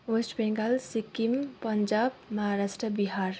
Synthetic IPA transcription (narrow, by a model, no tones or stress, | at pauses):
ʋesʈbeŋɡalsikːimpəɲd͡ʒabmʌɦaɾasʈɾəbiɦaɾ